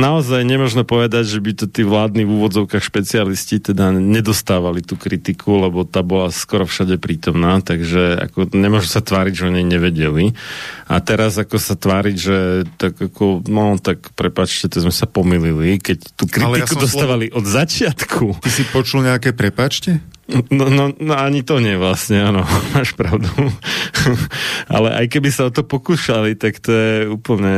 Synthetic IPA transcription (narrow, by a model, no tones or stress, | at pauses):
naɔzajɲɛmʊɔʒnɔpɔʋɛd̪aɟʒɛbit̪ɔt̪iːʋlaːd̪nivuːʋɔd͡zɔʊkaːxʃpɛt͡sialiscit̪ɛd̪aɲɛd̪ɔst̪aːʋalit̪uːkɾit̪ikʰulɛbɔt̪aːbɔlaskɔɾɔfʃaɟɛpɾiːt̪ɔmnaːt̪aɡʒɛa̰kɔɲɛmʊɔʒmɛsat̪ʋaːɾiɟʒɛɔɲɛjɲɛʋɛɟɛlia̰t̪ɛɾazakɔsat̪ʋaːɾiɟʒɛt̪aɡakʰɔnɔt̪akpɾɛpaːt͡ʃcɛt̪aɡzmɛsapɔmililikɛct̪uːkɾilikud̪ɔst̪aːʋaliʔɔd̪zat͡ʃɪat̪kʰut̪isipɔt͡ʃulɲɛakɛpɾɛpaːt͡ʃcɛ | nɔnɔnɔaɲit̪ɔɲɪɛʋlasɲɛaːnɔmaːʃpɾaʊd̪u | a̰lɛʔa̰jkɛbisaɔt̪ɔpɔkuːʃalit̪akt̪ɔjɛuːpl̩ɲɛ